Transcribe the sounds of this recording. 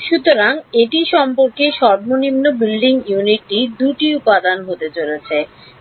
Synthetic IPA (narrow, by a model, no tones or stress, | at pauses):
ʃut̪oɾaŋeʈiʃɔmpoɾkeʃɔɾbonimnobilɖiŋjuniʈːid̪uʈiupad̪anɦot̪et͡ɕolet͡ɕʰe